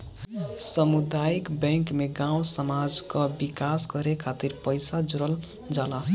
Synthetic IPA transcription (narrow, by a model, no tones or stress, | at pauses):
sʌmud̪ajikbeŋkmeɡãwsʌmad͡zkʌbikasɡʌɾekʰat̪iɾpʌjsad͡zuɾʌl | d͡zala